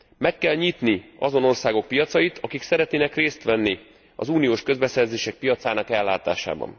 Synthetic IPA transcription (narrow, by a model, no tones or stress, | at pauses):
mɛkːɛlɲit̪niɒzo̞no̞rsaːɡo̞k̚pijɒt̪sɒjit̪ʰɒkiksɛɾɛt̪neːnɛkreːst̪ʋɛnːi | ɒ̰zuːnijoːʃkø̞zbɛsɛrzeːʃɛk̚pijɒt̪saːnɒkɛlːaːt̪a̰ːʃa̰ːbɒ̰n